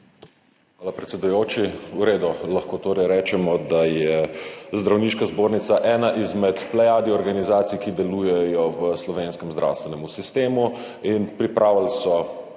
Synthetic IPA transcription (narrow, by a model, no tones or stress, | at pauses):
xʋaːlapɾɛt̪sɛd̪ujoːt͡ʃiuɾeːd̪ulaxkoːt̪oːɾɛjɾɛːt͡ʃɛmɔd̪ajɛzd̪ɾawniːʃkazboːɾnit̪saʔɛːnaʔizmɛt̪plɛjad̪iɔɾɡanizaːt̪sijkid̪ɛlujɛjɔʋəslɔʋeːnskɛmzd̪ɾʔa̰wst̪ʋɛnɛmusist̪eːmu | inpɾipɾʔawalsɔ